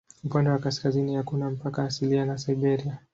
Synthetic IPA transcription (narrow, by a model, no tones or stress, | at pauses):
upandɛwakaskazinihakunam̩pakaːsilianasajbɛɾia